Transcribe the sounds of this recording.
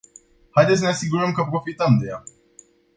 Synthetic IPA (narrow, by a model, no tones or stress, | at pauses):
hajd̪et̪səneasiɡuɾəmkəpɾo̞fit̪əmd̪e̞ja